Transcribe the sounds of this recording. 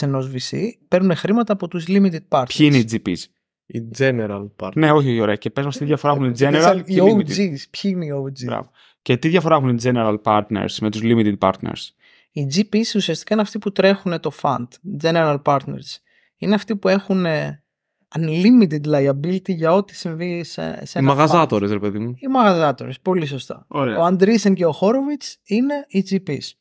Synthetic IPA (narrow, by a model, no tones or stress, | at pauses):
seno̞zvisipe̞ɾnune̞xɾimɐt̪ɐːpo̞t̪uzlimit̪id̪̚pɐɾt̪çiineid͡zipḭs | id͡zeneɾɐlne̞o̞çioçio̞ɾeɐcepe̞zmɐst̪iðʝɐfo̞ɾɐexund͡zeneɐliozispçiineiod͡zibɾɐ̰vo | cet̪iðʝɐfo̞ɾɐexund͡zeneɾɐlpɐɾt̪nḛɾsme̞t̪uzlimit̪id̪̚pɐ̰ɾt̪nḛɾs | id͡zipisusiɐst̪ikɐineɐft̪iput̪ɾe̞xune̞t̪o̞fɐ̰nd̪̥d͡ze̞neɾɐlpɐɾt̪ne̞̰ɾs | ineɐft̪ipue̞xune | ɐnlimit̪̬id̪lɐjɐbilt̪iʝɐo̞t̪i̥siɱvisḛsenmɐɣɐzɐt̪o̞ɾesɾepe̞ðimuimɐɣɐzɐt̪o̞ɾespo̞liso̞st̪ɐ̰oɾeoɐnd̪ɾisence̞oxo̞ɾovit͡sine̞id͡zipis